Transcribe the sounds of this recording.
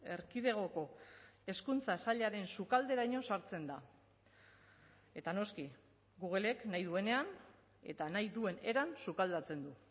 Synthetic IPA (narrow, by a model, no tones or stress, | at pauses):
e̞ɾkiðe̞ɣ̞o̞ko̞e̞skunt͡sasaʎaɾe̞nsukald̪e̞ɾajɲo̞saɾt͡se̞nd̪a | e̞t̪ano̞ski | ɡuɣele̞knajðue̞ne̞an | e̞̰t̪anajðue̞ne̞ɾansukald̪at͡se̞nd̪u